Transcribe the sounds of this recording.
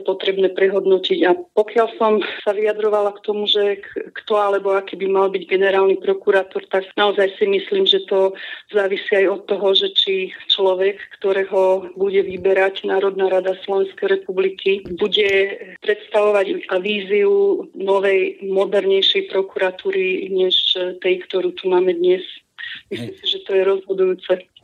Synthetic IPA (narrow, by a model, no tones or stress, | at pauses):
pɔt̪ɾɛbnɛːpɾɛɦɔd̪nɔciɟapɔkɪalsɔmsaʋiad̪ɾɔʋalakt̪ɔmuʒɛkt̪ɔalɛbɔakiːbimalbiɟɡɛnɛɾaːlnipɾɔkuɾat̪ɔɾt̪aɡnaɔzajsimisliːmʒɛt̪ɔzaːʋisiajɔt̪ːɔɦɔʒɛt͡ʃit͡ʃlɔʋɛkːt̪ɔɾɛːɦɔbuɟɛʋibɛɾacnaːɾɔd̪naːɾad̪aslɔʋɛnskɛjɾɛpublikʰibuɟɛpɾɛt̪st̪aʋɔʋaɟaʋiːziunɔʋɛjmɔd̪ɛɾɲɛjʃɛjpɾɔkuɾat̪uːɾiɲɛʃt̪ɛjkt̪ɔɾuːt̪umaːmɛd̪ɲɛs | mislimsiʒɛt̪ɔjɛɾɔzɦɔd̪ujuːt͡sɛ